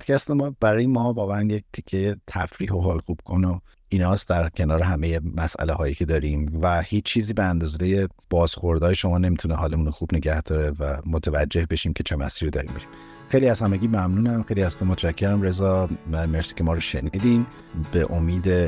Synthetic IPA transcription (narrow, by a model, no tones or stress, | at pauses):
pd̪cʰʲæst̪emɒːb̥æɾɒːjemɒːbɒːvæænjec̚t̪ʰicʰːejet̪ʰæfɾiːɦo̞ɦolxub̥̚kʰo̞no | inɒːsd̪æɾcʰe̞nɒːɾeɦæme̞je̞mæsʔæ̰lehɒːjicʰe̞d̪ɒːɾiːmvæhiːt͡ʃːt͡ʃʰiːziːbeænd̪ɒːzejeb̥ɒːz̥xo̞ɾd̪ɒːjeʃo̞mɒːne̞miːt̪ʰunehɒːlemuːnoxuːbne̞ɟæhd̪̥ɒːɾevæmot̪ʰævæd͡ʒːe̞hbe̞ʃimcʰe̞t͡ʃʰe̞mæ̰siːɾid̪ɒ̰ːɾḭːmbeʃi̥m | xejliæzhæmeɟiːmæmnuːnæmxejliæz̥kʰomot̪ʰʃæcʰːeɾæmɾe̞zɒːmæmeɾsiːcʰe̞mɒːɾɔʃenid̪in | b̥eʔomiːd̪e